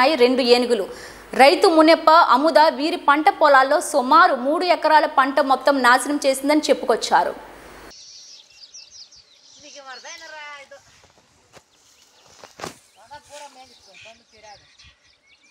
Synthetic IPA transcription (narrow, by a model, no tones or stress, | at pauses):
aːjiɾe̞ɳɖueːnikulu | ɾɐjt̪umunɛpːɐʔɐmud̪ɐʋiːɾipɐɳʈɐpɔːlaːlːo̞ːsumaːɾumuːɽuɛkɐɾaːlɐpɐɳʈɐmːɔt̪ːɐmnaːsɐnɐmt͡ʃeːsind̪ɐnit͡ʃepːukɔt͡ʃːaːɾṵ